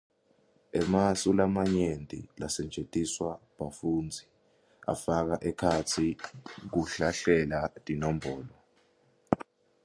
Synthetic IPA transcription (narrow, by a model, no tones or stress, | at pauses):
ɛmasulamaɲentʼḭlasɛnd͡ʒʱetʼiswaɓafuːnd͡zʱi | a̰fak̬aʔɛkʰatʰik̬uɬaɬɛlatʼinɔm̩bʱɔːlɔ